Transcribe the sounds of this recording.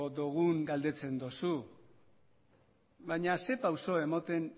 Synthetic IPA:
d̪oɣ̞uŋɡald̪e̞t͡se̞nd̪osu | βajɲase̞pawso̞e̞mot̪e̞n

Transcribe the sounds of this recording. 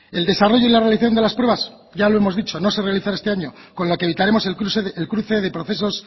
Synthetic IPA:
e̞ld̪e̞saro̞ʝo̞ilarealiθaθjo̞nd̪elaspɾwe̞βaz | ʝalo̞e̞mo̞zðit͡ʃo̞no̞sere̞aliθaɾest̪eaɲo̞ko̞nlo̞keβit̪aɾe̞mo̞seelkɾuθe̞ðe̞pɾo̞θe̞so̞s

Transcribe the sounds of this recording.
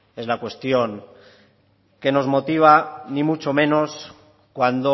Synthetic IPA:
e̞zlakwe̞st̪joŋ | ke̞no̞zmo̞t̪iβ̞animut͡ʃo̞mẽ̞no̞s | kwand̪o

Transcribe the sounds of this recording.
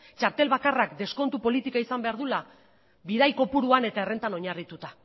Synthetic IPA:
t͡ʃaɾt̪e̞lβakarakd̪e̞sko̞nt̪upo̞lit̪ikaisambe̞aɾðula | βiðajko̞puɾuane̞t̪aere̞nt̪anoɲarit̪ut̪a

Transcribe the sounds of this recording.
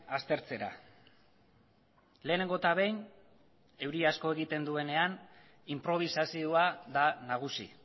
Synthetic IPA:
ast̪e̞ɾt͡se̞ɾa̰ | le̞ːne̞ŋɡo̞t̪aβ̞e̞jn | e̞wɾiasko̞eɣ̞it̪e̞nd̪ue̞ne̞an | impɾo̞β̞isasioaðanaɣ̞usḭ

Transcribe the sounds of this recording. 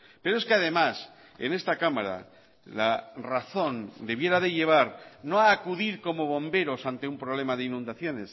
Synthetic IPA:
pe̞ɾoe̞skeaðe̞mas | e̞̰ne̞st̪akamaɾa̰ | laraθo̞nd̪e̞βje̞ɾaðe̞ʎe̞β̞aɾno̞aːkuðiɾko̞mo̞β̞o̞mbe̞ɾo̞sant̪e̞umpɾoβ̞le̞maðe̞inũnd̪aθjo̞ne̞s

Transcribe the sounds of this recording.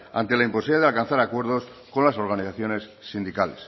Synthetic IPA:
a̰nt̪e̞laimpo̞siβlaðealkan̟θaɾakwe̞ɾð̞o̞s | ko̞nlaso̞ɾɣaniθaθjo̞ne̞sːind̪ikales

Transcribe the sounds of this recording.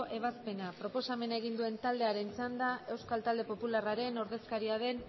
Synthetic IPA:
ʔe̞β̞aspe̞napɾo̞po̞same̞naeɣ̞ind̪ue̞nt̪ald̪e̞aɾe̞nt͡sand̪aʔe̞wskalt̪ald̪e̞po̞pularaɾe̞no̞ɾðe̞skaɾiað̞e̞n

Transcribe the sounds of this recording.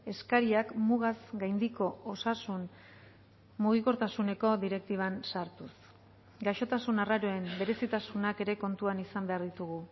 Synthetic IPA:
e̞skaɾiakmuɣazɡajnd̪iko̞osasun | muɣ̞iko̞ɾt̪asune̞ko̞ðiɾe̞k̚t̪iβ̞ansaɾt̪us | ɡaʃo̞t̪asunaraɾo̞e̞mbe̞ɾe̞sit̪asunake̞ɾe̞ko̞nt̪uanisambe̞aɾðit̪uɣu

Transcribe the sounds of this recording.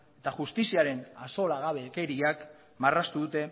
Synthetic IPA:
e̞t̪aʝust̪isiaɾe̞naso̞laɣaβe̞ke̞ɾiak | marast̪uðut̪e̞

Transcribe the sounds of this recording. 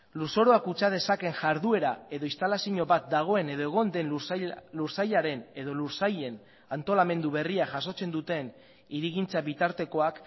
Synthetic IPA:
luso̞ɾo̞akut͡sað̞e̞sake̞ŋʝaɾðue̞ɾae̞ðo̞ist̪alasiɲo̞βat̪̚d̪aɣ̞o̞e̞ne̞ðo̞e̞ɣ̞o̞nd̪e̞nluɾsajaɾe̞ne̞ð̞o̞luɾsaje̞n | ant̪o̞lame̞nd̪uβe̞riaʝas̬o̞t͡se̞nd̪ut̪e̞n | iɾiɣint͡saβit̪aɾt̪e̞ko̞ak

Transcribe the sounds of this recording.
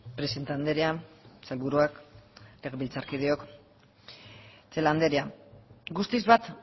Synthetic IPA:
pɾesint̪and̪eɾeat͡selβuɾuakle̞ɣeβilt͡saɾkið̞eok | t͡seland̪eɾeaɡust̪izβat̪

